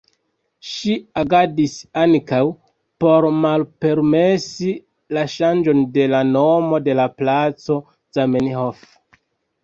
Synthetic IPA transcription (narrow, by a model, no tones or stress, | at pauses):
ʃiaɡadisaŋkaw | po̞ɾmalpe̞ɾme̞si | laʃand͡ʒo̞nde̞lano̞mo̞de̞laplat͡so̞ | z̥ameniɦof